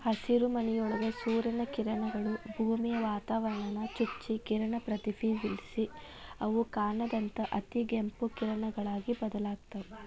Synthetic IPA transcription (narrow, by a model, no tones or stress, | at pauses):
hɐsiɾumɐnɛjɔɭɐɡesuːɾɐnɐkiɾɐɳɐɡɐɭubʱuːmijɐʋaːt̪aːʋɐɾɐɳɐnɐt͡ʃit͡ʃːikiɾɐɳɐpɾɐt̪ipʰiːʋilsi | ɐʋukaːɳɐd̪ɐnt̪ɐʔɐt̪iɡempukiɾɐɳɐɡɐɭaːɡibɐd̪ɐlaːɡt̪ɐʋu